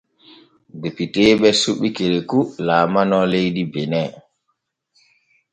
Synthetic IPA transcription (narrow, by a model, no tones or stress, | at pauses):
depiteɓɛsuɓːikeɾekulaːmanɔlejɗibɛnɛ